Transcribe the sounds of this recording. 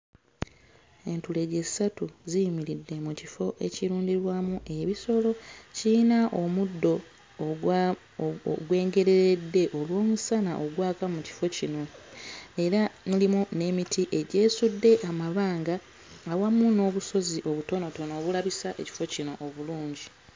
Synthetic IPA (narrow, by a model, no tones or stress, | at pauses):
e̞ntule̞ɟe̞satuzijimiɾidːe̞mucifo̞ʔe̞̰ciɾuːɲɟiɾwamuʔe̞βiso̞lo̞cinaʔo̞mudːo̞ | ɡwe̞ːŋɡe̞ɾe̞ɾedːe̞ʔo̞lwo̞ːmusanaʔo̞ɡwaːkamuci̥fo̞cino̞ | e̞ɾamulimune̞mitiʔe̞ɟe̞ːsudːe̞ʔamaβaːŋɡaː | wamːuno̞ːβuso̞ziʔo̞βuto̞no̞to̞noːβulaβisaʔe̞̰ci̥fo̞cino̞ʔːβuluːɲɟi